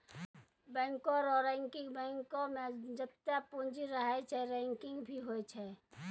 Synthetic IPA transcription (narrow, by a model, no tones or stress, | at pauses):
bɛ̃ːŋkoɾɔːɾɛ̃ːŋkɪ̃ŋɡbɛ̃ːŋkomẽd͡ʒət̪ːapũnd͡ʒiɾəɦɛt͡ʃʰɛɾɛ̃ːŋkɪ̃ŋɡbʱiɦoet͡ʃʰɛ